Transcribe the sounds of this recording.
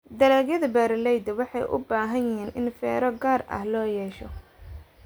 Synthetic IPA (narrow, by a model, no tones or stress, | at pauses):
d̪ɐɾaːɡjɐðɐbaːɾɪlɛjd̪ɐwɑħɑjʔʊ̰baːɦɐnjɪɦiːnʔɪnfɛ̰ːɾɔɡaːrɐ̰hlɔːjɛːʃɔ